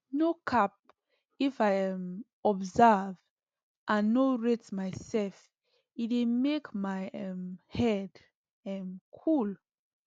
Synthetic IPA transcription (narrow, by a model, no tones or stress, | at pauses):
nokʰap̚ | ifajɛ̃m | ɔbzɛv | ʔãnːoɹetmaɪsɛlf | itimekmaɪɛmhɛd | ɛmkʰul